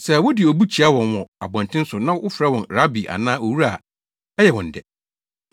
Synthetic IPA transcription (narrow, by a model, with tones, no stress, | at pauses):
sɛ˨wʊ˦dɪ˨o˨bu˦t͡ɕʰi˨a˦wɔ̃˨nwɔ̃˨a˨bɔ̃˨n˨tʰɪ̃˦n̩˦sʊ˨nã˦wʊ˦fɾɛ˦wɔ̃˨nɾa˦bi˨ʔa̰˨nãː˦o˨wu˦ɾa˦˨ | ɛ˦jɛ˨wɔ̃˨n̩˨dɛ˨